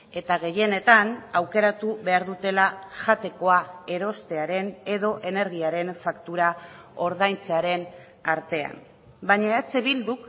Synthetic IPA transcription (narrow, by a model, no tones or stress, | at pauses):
e̞t̪aɣe̞je̞ne̞t̪anawke̞ɾat̪uβe̞aɾðut̪e̞laʝat̪e̞ko̞ae̞ɾo̞st̪e̞aɾe̞ne̞ðo̞ʔe̞ne̞ɾɣ̞iaɾe̞nfakt̪uɾa | o̞ɾð̞ajnt͡seaɾe̞n | aɾt̪e̞a̰m | baɲaet͡se̞βild̪uk